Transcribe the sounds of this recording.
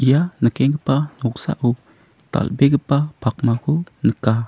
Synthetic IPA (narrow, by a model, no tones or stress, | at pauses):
ijanəkɛŋɡəpanɔk̚sa̰ʔu | t̪a̰lbeɡəpapʰak̚makʰunəka